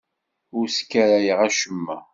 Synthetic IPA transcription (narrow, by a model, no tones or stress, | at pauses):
ʊɾskːæɾæjəʁæʃəmːæ̰